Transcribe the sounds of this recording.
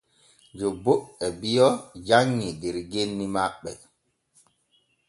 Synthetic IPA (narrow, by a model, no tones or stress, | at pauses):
d͡ʒɔboʔɛbijɔd͡ʒaŋːidɛɾɡenːimaɓːɛ̰